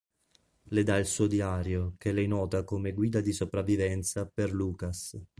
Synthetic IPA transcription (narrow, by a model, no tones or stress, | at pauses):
led̪ailsuːod̪iaːɾjok̟elɛjnɔːt̪akomeɡwiːd̪ad̪isopɾavːivɛnt̪saperluːkas